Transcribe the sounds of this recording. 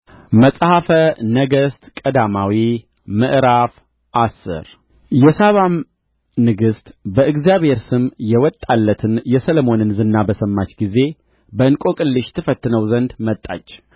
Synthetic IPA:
məsʼhafənəɡəst̪kʼəd̪amawi | mɨʔɾaf | ʔasːɨ̰ɾ | jɛsaβam | nɨɡɨst̪ʼbəʔɨɡzjaβhe̞ɾsɨmjɛwɔt̪ʼːalːət̪ʰɨnjɛsəlomo̞nɨnzɨnːabəsəmːat͡ʃːɡize̞ | bəɨnkʼokʼɨlːɨʃt̪ʰɨfət̪ːɨnəwzənd̪mət̪ʼːa̰t͡ʃː

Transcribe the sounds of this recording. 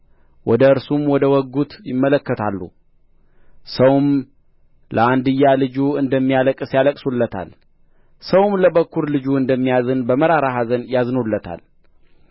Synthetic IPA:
wɔd̪əɨɾsumwɔd̪əwɔɡut̪jɪmːələkːət̪ʰalːṵ | səwm | ləand̪ɨjːalɨd͡ʒuɨnd̪əmːijaləkʼɨsjaləkʼsulːət̪ʰa̰l | səwmləbəkːuɾlɨd͡ʒuɨnd̪əmːijazɨnbəməɾaɾaɦazənjaznolːət̪ʰa̰l

